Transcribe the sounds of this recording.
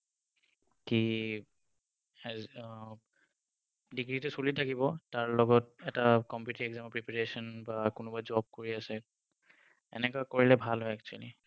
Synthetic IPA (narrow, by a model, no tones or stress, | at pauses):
ki | diɡɹitɛsulitʰakibɔtaɹlɔɡɔt̚ɛtakɔmpitiɛɡzampɹipaɹesɔnbakʊnʊbad͡ʒɔb̚koɹiasɛ | ɛ̰nɛkakoɹilɛbʱalɦɔɛk̚t͡ʃua̰li